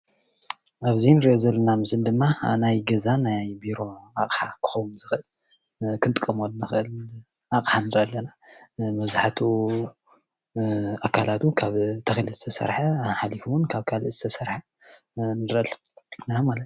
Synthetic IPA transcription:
ʔaβzinɨɾiʔozɐlːɐnamɨsɨnd̪ɨmːanajɡɐzanajbiɾo̞akʼħa̰kʰɨ̥xɐwunzɨxɨʔɨl | kʰɨnt̪ʼɨkʼːɐmolnɨxɨʔɨl | ʔakʼħanɨɾɐʔalːɐnamɐβzaħt̪ʰu | akʰalat̪ukʰaβt̪ʰɐxlɨzɨ̥t̪ʰɐsɐ̰ɾħaħalifuwʊnkʰaβkʰalɨzɨ̥t̪ʰɐsɐɾħa | nɨɾl | namalɐt̪

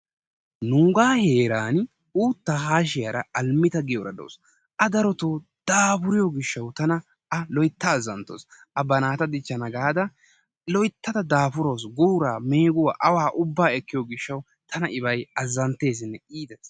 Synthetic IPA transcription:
nuːɡaːhe̞ːɾaːn | uːt̪ːaːɦaːʃ̬ɪjɐɾɐ̰ɐlmɪt̪ɐɡɪjɔɾɐ̰d̪o̰ːs | ʔɐd̪ɐɾɔt̪oːd̪̥aːfʊɾɪjɔɡɪʃːɐwt̪ɐnɐ | ɐlɔjɪt̪ːɐːzːɐnt̪ːo̰ːsʔɐbɐnaːt̪ɐd̪ɪt͡ʃːɐnɐɡaːd̪ɐ | lɔjt̪ːɐd̪ɐd̪aːfʊɾo̞ːsɡuːɾaːme̞ːɡʊwa̰ːʔɐwaːʔʊbːaːɛkːɪjoɡɪʃːɐw | t̪ʰɐnɐʔɪbɐjɐzːɐnt̪ːe̞ːs̬ɪnːɛiːd̪ɛs

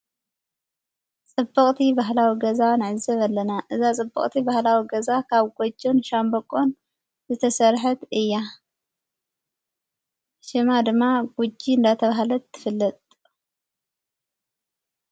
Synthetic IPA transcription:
t͡sʼɨbːɐkʼt̪ʰibaɦlawiɡɐzanɨʕɨzɐβɐlːɐnaʔɨzat͡sʼɨbːɐ̰χʼt̪ʰibahlawiɡɐzakʰaβɡod͡ʒːonʃambɐkʼon | zɨt̪ʰɐsɐɾħɐt̪ɨjːa | ʃɪmad̪ɨmːaɡud͡ʒiɨnd̪at̪ʰɐβaɦlɐt̪ʰːɨfɨlːɐt̪ʼ

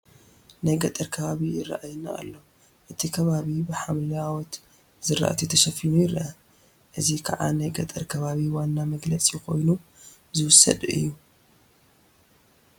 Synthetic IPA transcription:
najɡɐt̪ʼɐɾkʰɐβaβijɪrːa̰ʔajɨnːaʔːlːo | ʔɨt̪ʰikʰɐβaβibɨħamlawɔt̪ | zɨɾa̰ʔa̰t̪ʰit̪ʰɐʃɐfinujɪɾɐʔɐ | ʔɨzikʰaʕa̰najɡɐt̪ʼɐɾkʰɐβaβiwanːamɐɡlɐt͡sʼikʰo̞jnu | zɨwʊsɐ̰d̪ɨ̰jːu

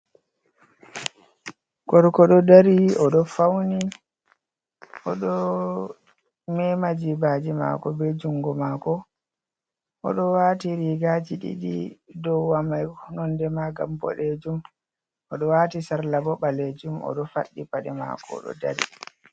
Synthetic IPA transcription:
ɡɔɾkɔɗɔdaɾiɔɗɔfawni | ʔɔɗɔ | mɛmad͡ʒibaːd͡ʒima̰kɔbɛd͡ʒuŋɡɔmaːkɔ | ʔɔɗɔwaːtiɾiɡad͡ʒiɗḭɗḭdɔwwamajnɔndɛmaɡa̰mbɔ̰ɗed͡ʒum | ʔɔɗɔwaːtisaɾlabɔbaled͡ʒumɔ̰ɗɔfa̰ɗːipaɗɛma̰kɔ̰ɗɔ̰da̰ɾḭ

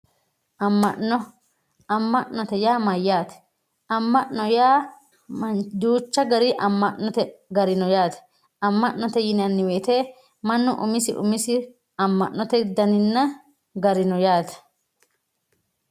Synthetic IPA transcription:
mːɐɔ | ɐmːɐʔnɔt̪ɛjaːmɐjːaːt̪ɛ̥ | ɐmːɐʔɔjaː | ɐd̪uːt͡ʃːɐɡɐɾɪʔɐmːɐʔnɔt̪ɛɡɐɾɪnɔjaːt̪ɛ̥ | ɐmːɐʔnːɔt̪ɛjɪnɐnːɪweːt̪eː | mɐnːʊʔʊ̰mɪsɪ̰ʔʊ̰mɪsɪ | ɐmːɐ̰ʔnɔt̪ɛd̪ɐnɪnːɐ | ɡɐɾɪnɔjaːt̪ɛ̥

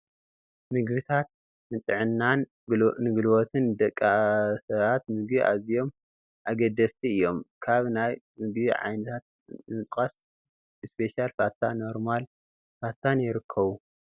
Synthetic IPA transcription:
mɨɡβit̪ʰat̪̚ | nɨt̪ʼɨʕɨnːan | nɨɡɨlɨwot̪ʰɨnd̪ɐkʼːasɐβat̪mɨɡbiʔa̰zijo̞m | ʔaɡɐd̪ɐst̪ʰiɨjːo̞mkʰaβnaj | mɨɡbiʕa̰jnɨt̪ʰat̪̚ | nɨt͡sʼkʼas | ɨspʰe̞ʃalfat̪ʰa̰no̞ɾmal | fat̪ʰanjɪɾɨkʰːɐβu

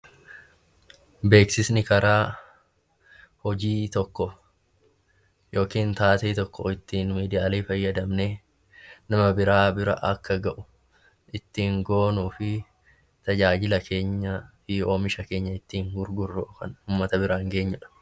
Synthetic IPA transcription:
be̞ːksɪsnɪkɐɾʔaː | hɔd͡ʒiːt̪ɔkːɔ | jo̞ːkiːnt̪aːt̪eːt̪ɔkːɔɪt̪ːiːnmiːd̪ɪjaːleːfɐjːɐd̪ɐmneː | nɐmɐbɪɾaːbɪɾɐ̰ʔɐkːɐɡɐʔʊ̥ | ʔɪt̪ːiːŋɡo̞ːnuːfɪ | t̪ɐd͡ʒaːd͡ʒɪlɐkʰe̞ːɲːɐfɪoːmɪʃɐke̞ːɲːɐɪt̪ːiːŋɡʊɾɡʊrːoːkɐnuːmːɐt̪ɐbɪɾaːŋɡe̞ːɲːʊᶑɐ̥

